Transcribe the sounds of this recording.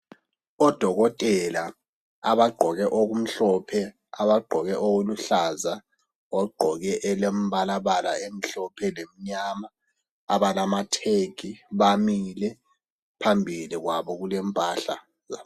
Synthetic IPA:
ɔd̥ʱɔɣɔtʼɛla | aβaɡ͡ǃʱɔɣɛʔoɣum̩ɬɔpʰɛ | aβaɡ͡ǃʱɔɣɛʔowoluɬaza | ɔɡ͡ǃʱɔɣɛʔɛlemβalaβala̰em̩ɬɔpʰɛlem̩ɲaːma | aβalamatʰeɡ̥ʱiβamilɛ | pʰambʱiliɣwaβɔɣulɛmpʼaɬa̰ | za

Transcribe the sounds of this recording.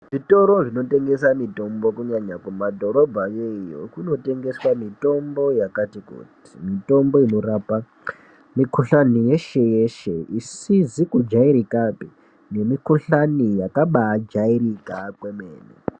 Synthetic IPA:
ʐito̞ɾo̞ʐino̞te̞ŋɡe̞samito̞mbo̞kuɲaɲakumadʱoɾo̞bʱajejo̰kuno̞te̞ŋɡe̞swamito̞mbo̞jakatikṵti̥mito̞mbo̞ino̞ɾaːpa | mikʰuɬanije̞ʃe̞je̞ʃe̞isizikud͡ʒaiɾikapi | ne̞mikuɬanijakaɓaːd͡ʒaiɾikakwe̞meːne

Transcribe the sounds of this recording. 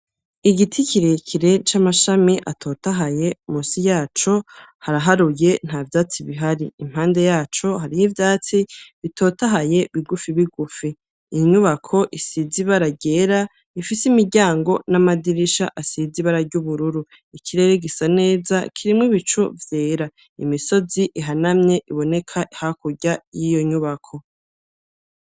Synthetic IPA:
iɡitʰikiɾekʰiɾe̞t͡ʃamaʃamiʔa̰tʰo̞ːtaɦajemusijaːt͡ʃo̞haɾaɦaɾuje̞n̥havjaːt͡siβiɦaɾiːm̥haːnde̞jaːt͡ʃo̞ɦaɾihivjaːt͡siβitʰo̞ːtaɦaje̞βiɡufiβiɡufiː | ɲuβakʰo̞ʔisiziβaɾaɟe̞ɾa | ifisimiɟaːŋɡo̞namadiɾiʃa̰ʔasiziβaɾaɟuβuɾuɾu | ikiɾe̞ɾeɡisane̞ːzakʰiɾimŋiβit͡ʃuvjeːɾa | imiso̞ziʔiɦanamɲe̞ʔiβo̞ne̞kʰaʔihakuɟajijo̞ɲuβakʰo̞

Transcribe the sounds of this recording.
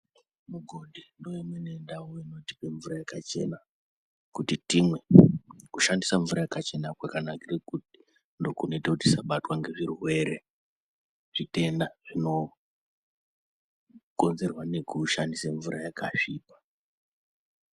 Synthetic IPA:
muɡʱo̞ɗindo̞jemwenendawoino̞ti̥pe̞ɱvuɾajakat͡ʃe̞̰na | kutitimwe̞kuʃandisaɱvuɾajakat͡ʃe̞nakwakanakirekuti | ndo̞kuneteuti̥saɓatwaŋɡe̞ʐirwe̞ɾe̞ | ʐ̥ite̞ndaʐ̥ino̞ | ko̞nze̞rwane̞kuʃandisaɱvuɾajakaʂiːpḁ

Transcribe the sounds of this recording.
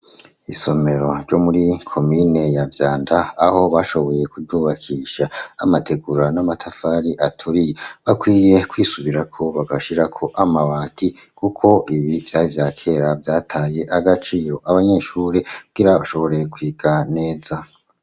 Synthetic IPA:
iso̞me̞ɾo̞ɾɟo̞muɾikʰo̞mine̞javjaːndaːho̞βaʃo̞βo̞je̞kuduːβakʰiːʃaːmatʰe̞ɡuɾanamatʰafaːɾiʔatʰuɾijeβakwiːje̞kwiːsuβiɾakʰo̞βaɡaʃiɾakʰo̞ʔamaβaːtʰi | kukʰo̞ʔiβivjaːɾivjaːkʰe̞ːɾavjaːtʰaːje̞ʔaɡat͡ʃiːɾo̞ʔaβaɲe̞ːʃuːɾekuɡ̥iɾaβaʃo̞βo̞ɾe̞kwiːɡ̥ane̞ːza

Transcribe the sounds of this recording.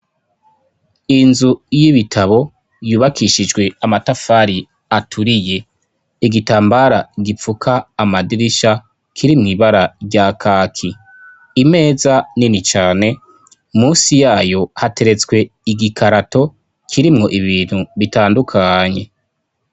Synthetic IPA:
inzujiβitʰaβo̞ | juːβakʰiʃid͡ʒɡwe̞amatafaːɾi | atʰuɾije̞ | iɡitaːmbaɾaɡip͡fukʰaːmadiɾiʃa | kʰiɾimŋiːβaɾaɾɟaːkʰaːkʰiː | me̞ːzaninit͡ʃaːne̞ | muːsijaːjo̞hate̞ɾe̞t͡swe̞iɡikʰaɾato̞ | kʰiɾimŋo̞ʔiβiːn̥huβitaːndukʰaɲe̞

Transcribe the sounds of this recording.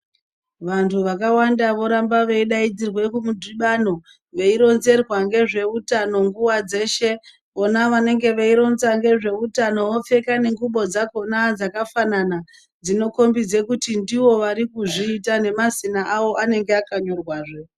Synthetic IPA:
ʋantʰuʋakawandaʋo̞ɾambaʋe̞iɗaid͡zirwe̞kumudʱiɓano̞ | ʋe̞iɾo̞nze̞rwaŋɡe̞ʐe̞utano̞ŋɡuwad͡ze̞ːʃe | o̞naʋane̞ŋɡe̞ʋeiɾo̞nzaŋɡe̞ʐe̞utano̞ʋo̞p͡fe̞kane̞ŋɡuɓo̞d͡zako̞nad͡zakafanana | d͡zino̞ko̞mbid͡ze̞kutindiwo̞ʋaɾikuʐiːtane̞mazinaʔawo̞ʔane̞ŋɡeakaɲo̞rwaːʐe

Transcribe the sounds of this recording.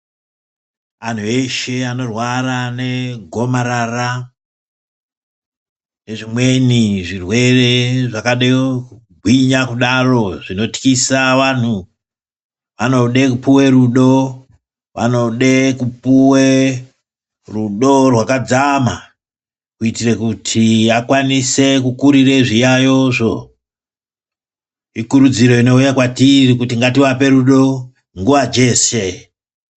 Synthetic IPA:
an̤ue̞ʃe̞ano̞rwarane̞ɡʱo̞maɾara | ne̞ʐimwe̞niʐirwe̞re̞ʐakaɗeku | ɡʱwiɲakuɗaro̞ʐino̞ti̥kisaʋan̤u | ʋanoɗe̞kupuwe̞ɾuɗo̞ | ʋʔa̰no̞ɗekupuwe | ruɗo̞rwakad͡zama | kuitirekutʰiakwanise̞kukuɾireʐijajo̞ʐo̞ | ikuɾud͡ziɾo̞ino̞ujakwatirikutiŋɡatiʋape̞ɾuɗo̞ | ŋɡuʋad͡ʒe̞ːse̞

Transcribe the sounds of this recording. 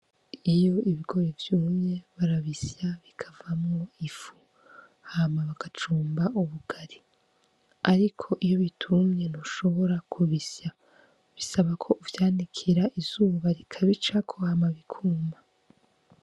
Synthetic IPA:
ijo̞iβiɡo̞ɾevjuːmɲe̞βaɾaβisjaβikʰavamŋoifu̥ | hamaβaɡat͡ʃuːmbaʔuβuɡ̥aɾi | aɾikʰo̞ʔijo̞βitʰumɲe̞noʃo̞βo̞ɾakʰuβisa | βisaβakʰo̞ʔuvjaːndikʰiɾaʔizuːβaɾikʰaβit͡ʃakʰo̞hamaβikʰuːmba

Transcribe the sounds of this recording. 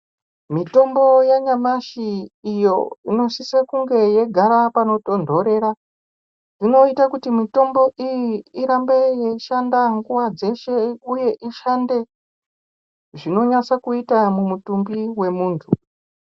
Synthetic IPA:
mito̞mbo̞jaɲamaʃiːjo̞̰ino̞sisakuŋɡe̞je̞ɡʱaɾapano̞to̞ndʱo̞ɾe̞ɾa | ino̞itakutimito̞mbo̞ʔijiiɾambe̞jeʃandaŋɡuwad͡ze̞ʃe̞uje̞ʔiʃande̞ | ʐino̞ɲat͡sakuitamumutumbiwe̞muːntʰu

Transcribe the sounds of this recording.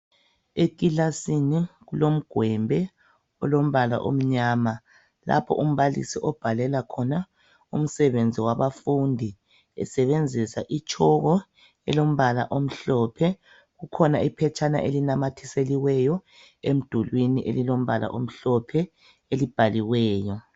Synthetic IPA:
ek̬ʼilasiniɣulom̩ɡ̥ʱwɛmbʱɛ | ɔlom̩βala̰ʔo̰m̩ɲaːma | la̰pʰɔ̰ʔum̩βalḭsiʔɔb̥ʱalɛlakʰɔna | um̩sɛβend͡zʱiwaβafundʱi | ɛ̰sɛβend͡zʱisaʔit͡ʃʼʰɔɣɔ | ɛ̰lom̩βala̰ʔom̩ɬɔːpʰɛ | ɣukʰɔnaipʰɛt͡ʃʰʼana̰ʔelinamatʰiseliwɛjɔ | em̩d̥ʱulwiniʔḛlilom̩βala̰ʔom̩ɬɔpʰɛ | elib̥ʱaliwɛːjɔ

